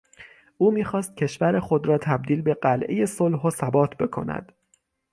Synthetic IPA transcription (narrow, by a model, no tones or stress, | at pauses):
ʔuːmiːxɒːst̪̚cʰe̞ʃvæɾexo̞d̪ɾɒːt̪ʰæb̚d̪iːlbe̞ɢælʔḛje̞solɦosæbɒːt̪ʰbe̞kʰo̞̰næ̰d̪̥